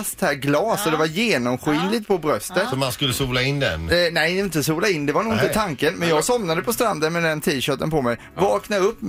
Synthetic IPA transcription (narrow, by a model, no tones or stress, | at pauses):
st̪hæːɾɡlɑːsɔd̪ɛvajeːnɔmɧyːnlɪt̪̚pʰɔbɾœst̪ət̪ɔmanskɵlːəsuːlaɪnd̪ɛ̰nnɛjɪnt̪əsuːlaɪnːd̪ɛvaɳuːɡɪnt̪ət̪ʰaŋkənmɛnjɑːɡsɔmnad̪əpʰɔst̪ɾand̪ənmɛd̪ɛnt̪ʰiːɕœːʈənpʰɔmɛj | vɑːknaɾɵpːm